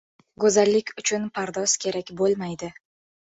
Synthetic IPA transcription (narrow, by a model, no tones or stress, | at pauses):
ɡɵzalːɪkʲʰʊt͡ʃʰʊnpʰaɾd̪ɒz̥kʲʰe̞ɾakʲbolˠmajd̪ɪ